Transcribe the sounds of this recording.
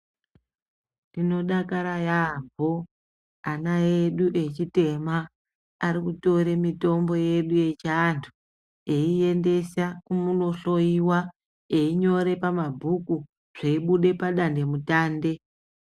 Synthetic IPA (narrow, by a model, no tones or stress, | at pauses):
ndino̞ɗakaɾajambo | anaeɗuʔe̞t͡ʃite̞maː | ɾikuto̞ɾe̞mito̞mbo̞je̞ɗuje̞t͡ʃantʰu | e̞ie̞nde̞sakumuno̞ɬo̞iwa | eiɲo̞ɾe̞pamabʱuku | ʐ̥eiɓuɗe̞paɗande̞mutaːnde̞